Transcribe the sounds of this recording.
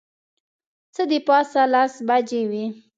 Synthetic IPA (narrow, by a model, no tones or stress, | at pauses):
t͡səd̪əpɑsalasbad͡ʒewi